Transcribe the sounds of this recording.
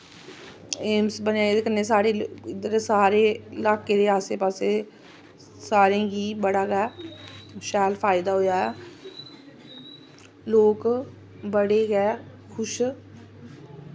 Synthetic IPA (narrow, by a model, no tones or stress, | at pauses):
eːmsbənaːed̪ekənːeːsaːɾeːɪd̪əɾsaːɾeːlaːkeːd̪eːaːseːpaːseː | saːɾẽːɡiːbəɽaːɡɛː | ʃɛːlpʰaːɪd̪aːɦoːjaːɛː | loːk | bəɽeːɡɛː | kʰʊʃ